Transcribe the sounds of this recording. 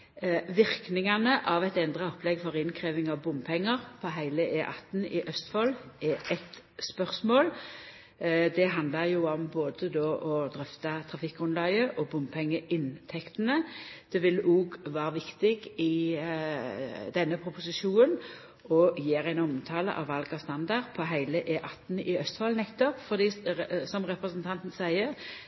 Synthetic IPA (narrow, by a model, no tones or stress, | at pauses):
ʋɪɾknɪŋɑnəʔɑʋɛt̪ɛnd̪ʁəɔplɛɡfɔʁɪnkʰʁeːʋɪŋɑʋbʊmpʰɛŋːəʁpʰɔɦæɪləʔeːʔɑt̪nɪʔœst̪fɔːlɛʔɛt̪ | spœʁsmoːl | d̪ɛɦɑnd̪lɑɾjʊɔmboːd̪əd̪oːʔɔd̪ɾœft̪ɑt̪ʰʁɑfɪkːɔnlɑɪəʔɔbʊmpʰɛŋːəʔɪnt̪ʰɛkt̪ənəd̪̥ɛʋɪluːɡʋɑːɾəʋɪkt̪ɪɡɪ | d̪ɛnːəpʰʁʊpʊsɪʃuːnən | ɔjeːɾæɪnɔmt̪ʰɑːlə̰ʔɑ̰ʋɑlɡəst̪ɑnd̪ɑʁpʰɔɦæɪləʔeːʔɑt̪n̩ɪœst̪hɑːlnɛkt̪ɔpfɔʁd̪iːsɔmʁɛpʁəsənt̪ʰɑnt̪nsæɪəʁ